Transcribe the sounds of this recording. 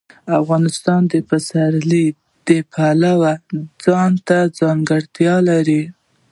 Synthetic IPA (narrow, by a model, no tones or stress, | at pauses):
afɣɑnɪst̪ɑnd̪əpasaɾli | d̪̥əpʰalawad͡zɑnt̪ad͡zɑŋɡəɽt̪jɑlaɾi